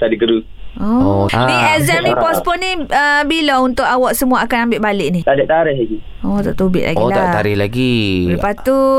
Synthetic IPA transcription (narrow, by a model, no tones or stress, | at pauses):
t̪adiɡəɾu | ɔiɛzɛmnipɔspɔniəbilɔunt̪ʊʔawɔʔsəmũaːkanambɪʔbalɪʔnit̪adɛʔt̪aɾɪhlaɡi | ɔt̪a̰ʔt̪ubɪ̰ʔlʔa̰ɡot̪at̪aɾɪhlaɡiləpat̪u